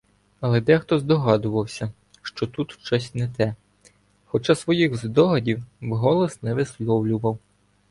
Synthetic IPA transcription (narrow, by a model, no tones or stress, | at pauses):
ɐlˠɛd̪ɛxt̪ɔzd̪ɔɦɑd̪ʊʋɐwsʲɐ | ʃt͡ʃɔt̪ut̪ʃt͡ʃɔsʲtʲnɛt̪ɛ | xɔt͡ʃɑsʋɔjixzd̪ɔɦɐdʲiwwɦɔlˠɔsnɛʋɪslˠɔwlʲʊʋɐw